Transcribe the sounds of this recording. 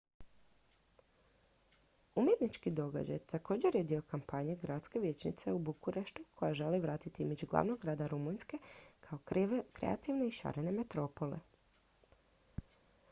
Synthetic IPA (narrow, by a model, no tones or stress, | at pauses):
umjet̪nit͡ʃkid̪o̞ɡa̰d͡ʑa̰jt̪ʰako̞ːd͡ʑe̞ɾjed̪io̞kampaɲeɡɾat̪ske̞ʋje̞t͡ɕnḭt̪se̞ubukuɾeʃt̪ukʰo̞jaʒe̞liʋɾaːt̪it̪iimed͡ʒuɡlˠa̰ʋnoɡɡɾaːd̪aɾumujnske̞kʰao̞kɾḛat̪iʋne̞iʃa̰ɾene̞me̞t̪ɾo̞po̞lḛ